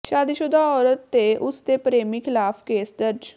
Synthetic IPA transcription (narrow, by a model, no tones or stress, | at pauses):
ʃaːd̪iʃʊd̪aɔːɾət̪ːeʔʊst̪epɾeːmikʰɪlaːfʰkeːsd̪əɾd͡ʒ